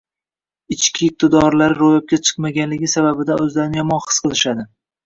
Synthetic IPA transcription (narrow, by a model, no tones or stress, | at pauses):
ɪt͡ʃkʲɪːq̚t̪ʰɪd̪ɒɾlaɾɪɾojap̚kʲat͡ʃʰɨ̥qmaɡʲanlɪɡʲɪsababɪd̪aɵzlaɾnjɒmɒnχɨ̥sqʰɨlˠɪʃad̪ɪ